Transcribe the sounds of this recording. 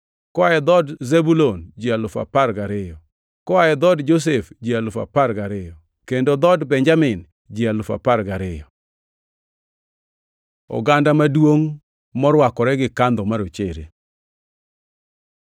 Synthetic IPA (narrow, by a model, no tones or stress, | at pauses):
kɔajɛd̪ɔdzebulond͡ʒialʊfa̰parɡaɾɪjɔ | kɔajɛd̪ɔdd͡ʒos̬efd͡ʒialʊfa̰paɾɡaɾɪjɔ | kendod̪ɔdbɛɲd͡ʒamɪn | d͡ʒialʊfa̰paɾɡaɾɪjɔ | ɔ̰ɡandamadwoŋ | mɔɾwakɔɾɛɡɪkand̪ɔmaɾot͡ʃeɾḛ